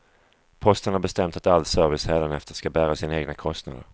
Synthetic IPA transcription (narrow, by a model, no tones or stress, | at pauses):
pʰɔst̪ənhaɾbɛst̪ɛmt̪at̪alːsœɾvɪshɛːlənɛft̪əskabæːɾasɪnaeːɡnakʰɔst̪na̰d̪ə̰